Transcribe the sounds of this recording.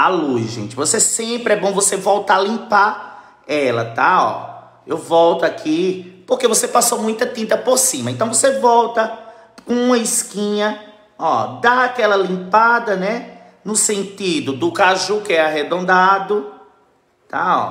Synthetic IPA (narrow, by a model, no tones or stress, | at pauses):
alujzʒḛ̃nt͡ʃɪvosesẽpɾɪɛbõvosevɔwt̪alĩpa | ɛlɐ̰t̪aɔ̰ | ewvɔwt̪ʊakʰipohkevosepasomũj̃t̪ɐt̪ĩnt̪ɐpoɾsĩmɐẽt̪ɐ̃w̃vosevɔwt̪ɐ̃ | ũmɐiskĩɲɐ | ɔd̪aakɛlɐlĩpad̪ɐnɛ | nʊsẽnt̪id̪ʊd̪ʊkaʒukɪɛaɦed̪õnd̪ad̪ʊ | t̪a̰ɔ̰